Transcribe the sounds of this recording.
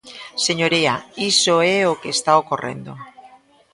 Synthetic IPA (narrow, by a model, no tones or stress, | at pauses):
seɲoɾiaisoeokeːst̪aokorḛnd̪o